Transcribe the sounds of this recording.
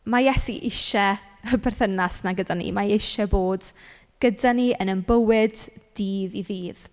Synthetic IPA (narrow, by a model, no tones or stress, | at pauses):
majɛsiʔɪʃɛ | əbɛrθənasnaɡədanḭmaɪʃɛboːd̥ | ɡ̥ədaniənənbəwɪdd̥iːðiðiːð